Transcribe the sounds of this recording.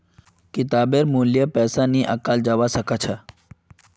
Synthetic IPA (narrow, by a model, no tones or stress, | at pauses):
kɪt̪aːbeɾmuːljəpɛːsaniʔɐkaːld͡ʒaʋasəkat͡ʃʰa